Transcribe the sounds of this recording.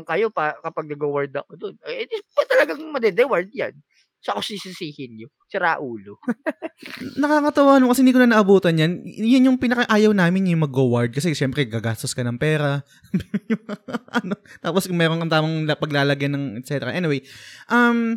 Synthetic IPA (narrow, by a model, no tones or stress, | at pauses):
ŋkɐjopakɐpaɡ̚nɐɡowaɹd̪ɐkod̪onpɐt̪ɐlɐɡaŋmɐd̪ɛd̪ɛwaɹd̪̚ja̰n | sɐʔɐkosisisiːhɪnɲo | sɪɾaʔuːlo | nɐkaːkɐt̪ɐwaːnmokɐsɛɪnd̪ik̬ʊnɐnɐʔɐbuːt̪ɐnjɐnjʊnjʊŋpɪnɐkɐʔaːjɐwnaːmɪnjʊŋmɐɡowɐɹd̪̚kɐsɛʃɛmpɾɛɡaɡaːst̪oskɐnɐŋpɛːɾɐ | bjʊŋmaʔɐnot̪aːposkʊmɛːɾoŋkɐnt̪aːmɐŋlpɐɡlaːlɐɡjɐnɐŋɛt̪sɛt̪ɛɾɐʔɛniwejʔɐm